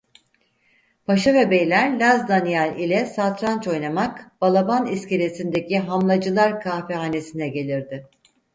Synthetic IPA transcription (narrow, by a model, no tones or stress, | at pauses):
pʰaʃavɛbejlʲæɾlʲazd̪anijalʲilʲɛsat̪ɾant͡ʃo̞jnamakb̥alˠabanisceɾe̞sind̪ecʰiɦamlˠad͡ʒɯlˠaɾkʰafɛaːne̞sinɛɟe̞lʲiɾd̪ɪ